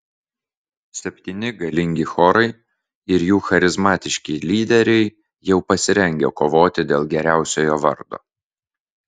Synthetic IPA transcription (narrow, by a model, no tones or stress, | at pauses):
sʲɛpʲt̪ʲiːnʲɪɡɐlʲɪŋʲɡʲɪxɔɾɐɪ | ɪɾjuːxɐɾʲɪzmɑːt̪ʲɪʃʲkʲelʲiːd̪ʲɛɾʲɛɪ | jɛʊpɐsʲɪɾʲɛŋʲɡʲo̰ːkoːʋoːt̪ʲɪd̪ʲeːlˠɡʲɛɾʲæˑʊsʲoːjoːʋɐ̰ɾd̪o̰ː